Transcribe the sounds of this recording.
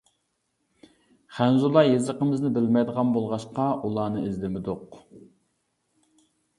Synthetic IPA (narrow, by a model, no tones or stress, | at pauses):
χænzulˠɑjezəqəmɪznɪbɪlmɛjd̪əʁɑnbolˠʁɑʃqɑʔulˠɑːnɨɪzlɪmɪd̪ʊq